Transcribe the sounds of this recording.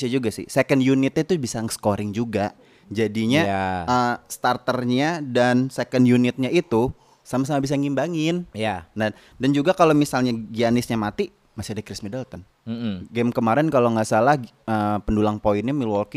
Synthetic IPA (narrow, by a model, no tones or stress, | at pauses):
sad͡ʒuɡasɪ̰hsekəndjunɪt̪̚ɲat̪ubisaŋsə̥koɾɪŋd͡ʒuɡa | d͡ʒadiɲaəst̪art̪ərɲadansekəndjunɪt̪̚ɲait̪u | samas̬amabis̬aŋimbaŋɪnjana | dand͡ʒuɡakalomisalɲaɡianɪsɲamat̪i | masiadəkɾɪsmidəlt̪ən̩ | ɡɛmkəmaɾɪnkaloŋasalah | əpəndulaŋpoɪnɲamilɔlki